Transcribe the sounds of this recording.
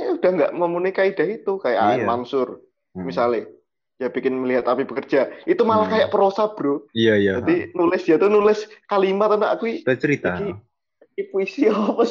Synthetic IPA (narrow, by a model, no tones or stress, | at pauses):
aud̥ahŋɡaʔməmunuikaid̥aɦit̪ukaja̰ʔmaŋsʊr | misalɪh | jab̥ikɪnməliɦat̪apib̥əkərd͡ʒ̥ait̪umalahkajaʔpəɾosab̥ɾuijajad͡ʒad̪inulɪsjat̪unulɪskalimat̪əna̰ʔkuit͡ʃəɾit̪aaɡi | kipuisiɔɔp